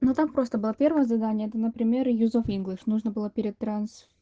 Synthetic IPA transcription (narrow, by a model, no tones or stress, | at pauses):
not̪ampɾo̞st̪əbɨlˠapʲe̞rvəjəzɐd̪anʲɪjəɛt̪ənəpɾʲɪmʲe̞ɾjuzofinɡlʲɪʂnuʐnəbɨlˠəpʲɪɾʲɪt̪ɾans